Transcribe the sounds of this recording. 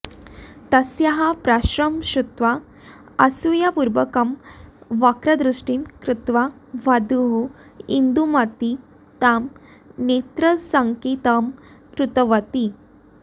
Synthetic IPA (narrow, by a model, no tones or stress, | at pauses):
t̪ɐsjaɦapɾaɕɾəmɕut̪ʋa | ɐsujapuɾʋəkəmʋakɾɐd̪ɾuʂʈinkɾut̪ʋaʋad̪uɦu | ind̪umat̪i | t̪am | net̪ɾəsaŋkit̪əm | kɾut̪əʋət̪i